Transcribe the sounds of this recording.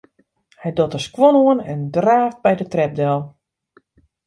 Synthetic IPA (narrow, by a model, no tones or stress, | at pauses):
hɛjdotəskwonoənɛndraːft̚bɛjdətrɛb̚dɛlˠ